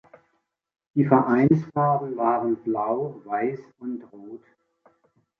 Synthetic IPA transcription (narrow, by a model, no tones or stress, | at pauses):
d̥iːfɛɐʔaɪnsfaːʁn̩vaːʁənblaʊvaɪs | ʊntʁoːt